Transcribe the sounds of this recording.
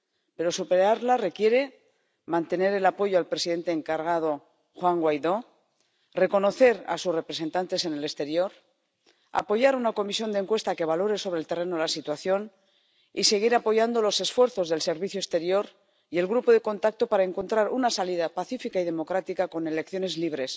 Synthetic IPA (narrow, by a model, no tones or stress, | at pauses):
pe̞ɾo̞supe̞ɾaɾlare̞kje̞ɾe̞ | mãnt̪e̞ne̞ɾe̞lapo̞ʝoalpɾe̞siðe̞nt̪eːŋkaɾɣað̞o̞ | xwaŋɡwajðo̞ | re̞ko̞no̞θe̞ɾa̰susre̞pɾese̞nt̪ant̪e̞se̞ne̞le̞st̪e̞ɾjo̞ɾ | a̰po̞ʝaɾunako̞misjo̞nd̪e̞ŋkwe̞st̪ake̞β̞alo̞ɾe̞so̞β̞ɾe̞lt̪e̞re̞nolasit̪waθjo̞n | ise̞ɣ̞iɾapo̞ʝand̪o̞lo̞se̞sfwe̞ɾθo̞zðe̞lse̞ɾβiθjoest̪eɾjo̞ɾ | je̞lɣɾupo̞ðe̞ko̞nt̪ak̚t̪o̞paɾae̞ŋko̞nt̪ɾaɾunasaliðapaθifikaiðe̞mo̞kɾat̪ikako̞ne̞le̞k̚θjo̞ne̞zliβ̞ɾe̞s